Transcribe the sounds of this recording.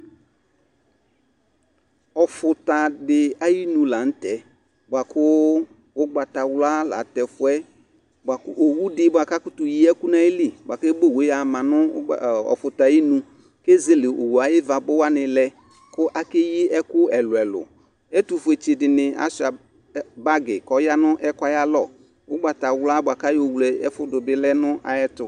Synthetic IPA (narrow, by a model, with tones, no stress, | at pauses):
ɔ˨fʊ˨ta˨dɪ˨a˦ji˦nũ˨la˨n̩˦tɛ˨ | bʊ˨a˨kʰʊ˦ | wʊ˦ɡ͡ba˨ta˨wla˦la̰˨˦tɛ˨fʊ˦ɛ˦ | ba˨kʊ̰˦ʔo˨wu˦dɪ˦ba˨ka˦kʊ˦tʊ˨ji˦ɛ˦kʊ˦na˦jɪ˦li˦˨bʊ˨a˨ke˦bo˦˨we˨˦a˨mã˨nʊ˦˨ɔ̰˨fʊ˨ta˨ji˦nũ˦ | ke˦ze˦le˨ʔo˨wu˨a˨jɪ˦va˨bʊ˦wa˦nɪ˨lɛ˨ | kʊ˦ʔa˨˦ke˦ji˦ɛ˦kʊ˦ɛ˨lʊ˨ɛ˨lʊ̰˨ | ɛ˦tu˨fʊ˨e˨t͡ʃe˨dɪ˨nɪ˨a̰˦sa˨˦ | ba˦ɡɪ˨kɔ˨ja˦nʊ̃˦ʔɛ˦ka˦ja˦lɔ˦˨ | wʊ˦ɡ͡ba˨ta˨wlʊ˦a˦bʊ˨a˨ka˦jo˨wu˨lɛ˨ɛ˦fʊ˦dʊ˨bɪ˦lɛ˦nʊ̃˦ʔa̰˨jɛ˦tʊ˨